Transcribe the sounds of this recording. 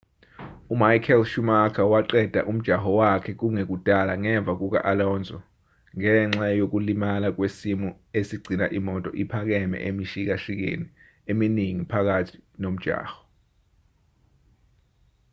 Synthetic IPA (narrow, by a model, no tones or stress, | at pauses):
umajkʰɛlʃumakʰawaǃɛd̥ʱa̰ʔum̩d̥ʒ̥ʱaxɔwakʰɛk̬uŋek̬ud̥ʱalaŋɛɱb̪vʱak̬uk̬a̰ʔalɔnd͡zʱɔ | ŋɛŋ͡ǁajok̬ulimalak̬wesimu | esiɡ͡ǀʱina̰ʔimɔtʼɔ̰ʔipʰak̬ɛmɛ̰ʔemiʃik̬aʃik̬ḛni | eminiŋipʰak̬atʰi̥nom̩d̥ʒ̥ʱa̰ːxɔ̥